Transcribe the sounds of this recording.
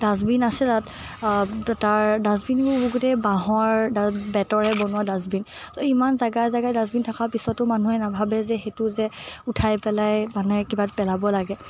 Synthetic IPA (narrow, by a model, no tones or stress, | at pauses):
dazbinasɛtat | taɹdazbinɡubuɡutɛbaɦɔ̃aɹdabɛtɔɹɛbɔnʊwadazbin | ɔimanzaɡajzaɡajdazbintʰakaɹpisɔtːʊmanuɛnabʱabɛzɛxetʊzɛutʰajpɛlajmanuɛkibatpɛlabɔlaɡɛ